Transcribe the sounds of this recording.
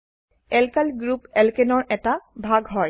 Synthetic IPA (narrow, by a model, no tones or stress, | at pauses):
ɛlkalɡɹupɛlkenɔɹʔɛtabʱaɡɦɔj